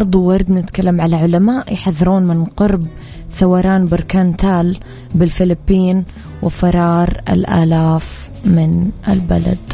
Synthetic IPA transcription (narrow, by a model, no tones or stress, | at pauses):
ʔɑɾˤd̪ˤuwɑɾˤd̪nɪt̪kalːamʕalaʕʊlamaːʔjħaðːɑɾuːnmɪnqʊɾb | θawɑɾˤɑːnbɪɾkaːnt̪ʰaːl | bɪlfɪlɪpːiːn | wɪfɑɾˤɑːɾˤɪ̰lʔa̰ːlaːf | mɪnʔɪ̰lbala̰d̪